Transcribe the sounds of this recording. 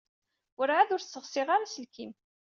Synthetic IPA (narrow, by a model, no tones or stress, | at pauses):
əɾʕaðʊɾθt͡sːəʁsɪʁaɾasəlkim